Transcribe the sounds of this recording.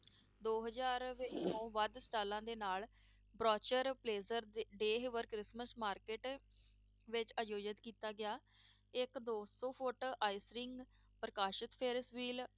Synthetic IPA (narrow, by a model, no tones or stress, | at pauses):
d̪oːɦəzaːɾʋeːõːʋəd̪sʈaːlãːd̪eːnaːl | bɾɔːt͡ʃəɾpleːzəɾd̪ɖeːɦʋəɾkɾɪsməsmaːɾkeːʈ | ʋɪt͡ʃaːjoːd͡ʒət̪kiːt̪aːɡɪaː | ɪkd̪oːsɔːpʰʊʈaːisɾɪŋɡ | pɾəkaːʃɪt̪pʰeːɾsʋiːl